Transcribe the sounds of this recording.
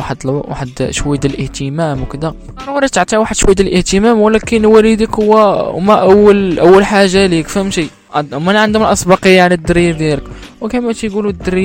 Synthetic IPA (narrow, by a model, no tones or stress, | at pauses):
aħd̪wa̰ħəd̪ʃwæjːd̪əlʔəht̪əmæmwkəd̪æ | ɑɾˤwɑɾˤit̪əʕt̪ˤiʕwaħəd̪ʃwæjd̪əlʔəht̪əmæmwəlækənwælid̪əkhʊwːæmæʔəwːəlʔæwːəlħaʒːalikfəmʃi | mænʕənd̪ʊməlʔɑsˤbɑqəjːaʕnid̪ːəɾid̪iləkwkæmæt̪jɡulud̪ːəɾi